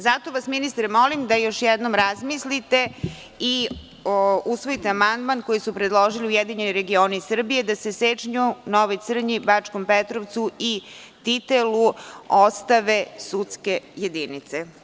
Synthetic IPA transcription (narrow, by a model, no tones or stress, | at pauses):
zat̪o̞ʋasminist̪ɾemo̞limd̪ajo̞ʃjɛd̪nomɾazmislit̪e | i | usʋo̞it̪eamand̪mankojisupɾed̪lˠoʒiliujed̪iɲenoɾe̞ɡioːnisr̩bije̞d̪aseset͡ʃɲunoʋoj̪sr̩ɲibat͡ʂkompet̪ɾoʋt̪sui | t̪it̪eluost̪aʋe̞sut̪ske̞jed̪init̪se